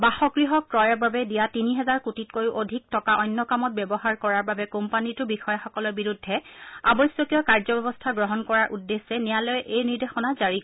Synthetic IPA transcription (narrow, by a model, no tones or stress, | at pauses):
baxɔɡɹiɦɔkːɹɔjɔɹbabɛdijatiniɦɛzaɹkutit̚kojuʔodʱik̚tɔkaʔɔjnːɔkamɔt̚bɛbɔɦaɹkɔɹaɹbabɛkompanitʊbixɔjaxɔkɔlɔɹbiɹudʱːɛa̰bɔsjɔkijɔkaɹzɔbɛbɔstʰaɡɹɔɦɔnkɔɹaɹʔudːesːɛnijalɔjʔejniɹdexɔnazaɹi